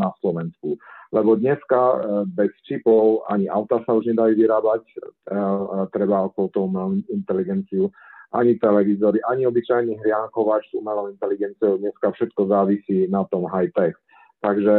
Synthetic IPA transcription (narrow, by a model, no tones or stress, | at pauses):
naslɔʋɛnskulɛbɔd̪ɲɛskabɛst͡ʃipɔʊa̰ɲiʔa̰ʊt̪asauʒɲɛd̪ajuʋiɾaːbac | t̪ɾɛbaɔkɔɔt̪ɔumɛint̪ɛliɡɛnt͡siu | ʔa̰ɲit̪ɛlɛʋizɔɾiʔaɲiɔbit͡ʃajniɦɾɪaŋkɔʋacz̥umɛlɔʊint̪ɛliɡɛnt͡siɔʊd̪ɲɛskafʃɛt̪kɔzaːʋisiːnat̪ɔmɦajt̪ɛk | t̪aɡʒɛ